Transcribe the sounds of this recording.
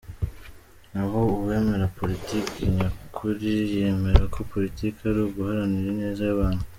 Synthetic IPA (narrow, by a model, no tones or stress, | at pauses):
nahouβwe̞me̞ɾapo̞litiːkiɲakʰuɾije̞me̞ɾakʰo̞po̞ɾitiːkaɾuɡuhaɾaniɾene̞ːzajaβaːnhu